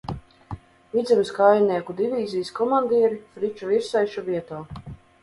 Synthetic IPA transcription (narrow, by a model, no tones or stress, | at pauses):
vid̪zʲɛmʲiskajnʲiɛkud̪ivʲiːzʲijskɔmand̪ʲiɛɾifɾit͡ʃuviɾsɛjʃuvʲiɛt̪ɔː